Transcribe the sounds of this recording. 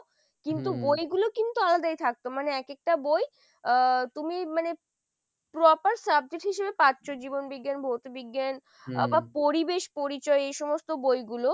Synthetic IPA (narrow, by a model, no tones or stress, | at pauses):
kint̪ubojɡulokint̪ualad̪ajt̪ʰak̚t̪omaneɛkek̚ʈaboj | t̪umimane | pɾɔpaɾsab̚d͡ʑeʈɦiʃebepatːɕod͡ʑibonbiɡːjanbʱot̪obiɡːjan | bapoɾibeʃpoɾit͡ɕɔeejʃɔmost̪obojɡulo